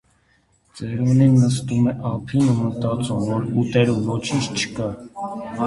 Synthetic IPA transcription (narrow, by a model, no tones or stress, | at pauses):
t͡sɛɾuninːəst̪umɛʔɑpʰinumət̪ɑt͡sumvɔɾut̪ɛɾuvɔt͡ʃʰint͡ʃʰt͡ʃʰə̥kɑ